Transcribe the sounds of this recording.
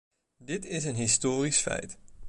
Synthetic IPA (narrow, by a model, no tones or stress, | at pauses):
dɪtɪsənɦistoːrisfɛ̰jt